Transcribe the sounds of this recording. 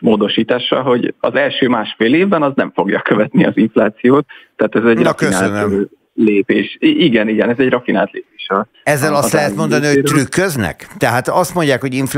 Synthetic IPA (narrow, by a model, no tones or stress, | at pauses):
moːd̪o̞ʃiːt̪aːʃːɒlɦo̞ɟɒ̰zɛlʃøːmaːʃfeːleːvbɛnɒznɛɱfo̞ɡjɒ̰køvɛt̪niɒziɱflaːt̪sijoːt̪ːɛːt̪ɛzɛɟrɒfkønaːlnɛm | leːpeːʃiʔiɡɛniɡɛnɛzɛɟrɒfinaːlt̪leːpeːʃɛl | ɛzːɛlɒslɛɦɛt̪mo̞nd̪ɒniho̥t̪rykːøznɛ̰kt̪ɛɦaːt̪ɒst̪mo̞ɲɟjaːkho̞ɟiɱf